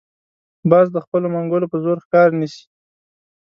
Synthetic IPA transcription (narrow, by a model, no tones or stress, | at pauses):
bɑzd̪əxpəlomaŋɡolopəzoɾxkɑɾnəʃi̥